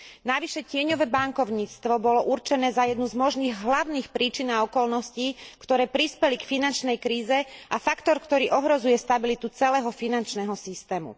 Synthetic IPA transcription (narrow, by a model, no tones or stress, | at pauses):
naʋiʃɛcɪɛɲɔʋɛːbaŋkɔʊɲiːt͡st̪ʋɔbɔlɔʔuɾt͡ʃɛnɛːzajɛd̪nuzmɔʒniːɣɦlaʊniːxpɾiːt͡ʃinaɔkɔlnɔscikt̪ɔɾɛːpɾispɛlikfinant͡ʃnɛjkɾiːzɛʔafakt̪ɔɾkt̪ɔɾiːʔɔɦɾɔzujɛst̪abilit̪ut͡sɛlɛːɦɔfinant͡ʃnɛɦɔsist̪ɛːmṵ